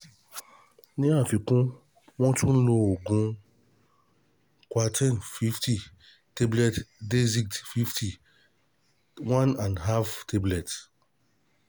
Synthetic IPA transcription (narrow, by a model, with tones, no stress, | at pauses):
nĩ˦a˦˨fi˨kũ˦ | wɔ̃˦tu˦n̩˦lo˦o˨ɡũ˦ | kʷa˨tʰɛ˦nfi˦ftʰi˨ | te˦blɛ˦tde˦zi˦˨ktfi˦ftʰi˨ | wã˦nã˨ndɦa˦ftʰe˦blɛ˨t